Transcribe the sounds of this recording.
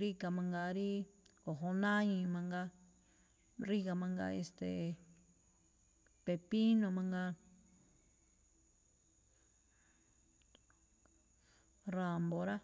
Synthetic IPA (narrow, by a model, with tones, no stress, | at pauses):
ɾi˦ka˧mã˧ŋɡa˧ɾi˦ko˨ɦo˧nã˦ĩ˧mã˧ŋɡa˧ | ɾi˦ka˧mã˧ŋɡa̰˧ḛ˧st̪ḛ˨ | pe˧˨pi˦nõ˧mã˧ŋɡa˧ | ɾa˨mbo˨ɾa˦